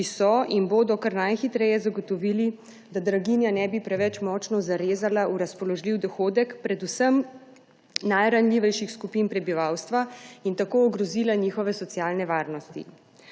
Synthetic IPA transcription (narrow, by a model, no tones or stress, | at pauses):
isɔinboːd̪ɔkaɾnajxit̪ɾɛjɛzaɡɔt̪ɔʋili | d̪ad̪ɾaɡinjanɛbipɾɛʋɛt͡ʃmɔt͡ʃnɔzaɾezalauɾaspɔlɔʒliwd̪ɔxoːd̪ɛkpɾɛd̪usəm | najɾanlʲiːʋɛjʃixskupinpɾɛbiʋawst̪ʋaint̪akoːɡɾɔziːlaniːxɔʋɛsɔt̪sjaːlnɛʋaːɾnɔst̪ḭ